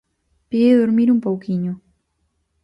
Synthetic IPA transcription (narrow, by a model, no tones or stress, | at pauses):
piɣeðoɾmiɾumpowkiɲʊ